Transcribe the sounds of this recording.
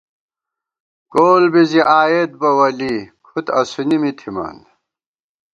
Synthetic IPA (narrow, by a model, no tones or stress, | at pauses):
koːlbiziʔaːjet̪̚bɐwɐlikʰut̪ɐsunimit̪ʰimɐ̰n